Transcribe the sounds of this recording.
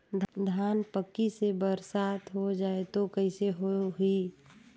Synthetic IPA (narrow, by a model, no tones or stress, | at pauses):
d̪ʱd̪ʱaːnpəkːisebəɾsaːt̪ʰɦod͡ʒaːet̪okəɪseɦoɦi